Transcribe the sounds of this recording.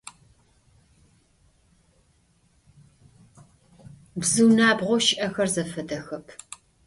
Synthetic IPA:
bzɨwnaːbʁʷɔʃɪʔɐxɐrzɐfɐdɐxɐpʰ

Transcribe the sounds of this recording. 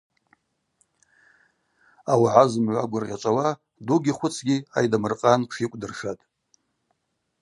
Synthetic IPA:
awaʕazɨmʕʷaɡʷʊrʁʲat͡ʃʷʼawa | duɡʲiχʷʊt͡sʰɡʲia̰jdamɨrqʼanʷʰʂikʷʼdɨrʂatʼ

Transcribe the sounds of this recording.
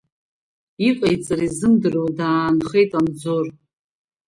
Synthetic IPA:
iqʼajt͡sʼarizɨmdɨrowdaːnχe̞jtʼand͡zor

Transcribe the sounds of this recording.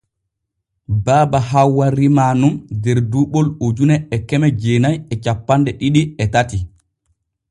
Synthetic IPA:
baːbaɦawwaɾimaːnumdɛɾduːɓɔlod͡ʒunɛɛkɛmɛd͡ʒeːnajɛt͡ʃapːandɛɗiɗiɛtati

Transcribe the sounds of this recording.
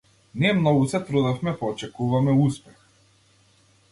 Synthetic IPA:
nɛmnɔɡusɛt̪ɾud̪afmɛpɔːt͡ʃɛkuvamɛuspɛx

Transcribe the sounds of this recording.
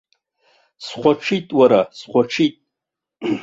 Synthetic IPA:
sχʷaʈ͡ʂʰitʼwaɾasχʷaʈ͡ʂʰitʼ

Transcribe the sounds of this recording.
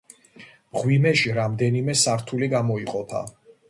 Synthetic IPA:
mʁwimɛʃiɾamd̪ɛnimɛsaɾt̪ʰuliɡamɔiqʼɔpʰa̰

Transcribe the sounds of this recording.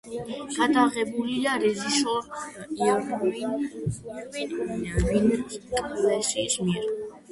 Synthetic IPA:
ɡ̥ad̪aʁɛbuliaɾɛziʃɔia | vint̪ʼlɛʃɛsmiɛɾ

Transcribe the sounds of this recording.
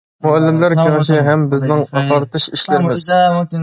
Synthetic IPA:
muælːɪmlæɾkʲeʁɪʃɪɦɛmbɪznɪŋɑq̪ʰɑɾt̪ɨʃiʃlɪɾɪmɪz̥

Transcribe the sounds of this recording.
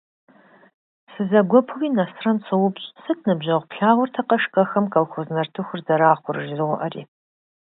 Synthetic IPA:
sɨzɐɡʷɔpʰɨwiːnɐsrɐnsʰɨwʊpɕʼsɨtʰnɨbʑɐʁʷpʰɬaːʁʷʊrtʰɐqɐʂkʼɐxɐmkʼɐlxʷoznɐrtʰɨxʷʊrzɐɾaːχʷʊrɨʒɪzɨʁʷʊʔɐrḭː

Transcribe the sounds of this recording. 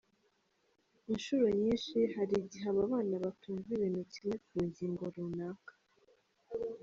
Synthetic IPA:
inʃuɾo̞ɲiːnʃihaɾiɟiɦaβaβaːnaβatuːɱviwe̞nuciɾekuːɲɟiːŋɡo̞ɾunaːkḁ

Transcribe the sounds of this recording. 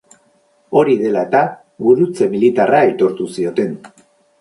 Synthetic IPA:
o̞ɾiðe̞laet̪a | βuɾut͡se̞milit̪araet̪o̞ɾt̪usio̞t̪e̞n

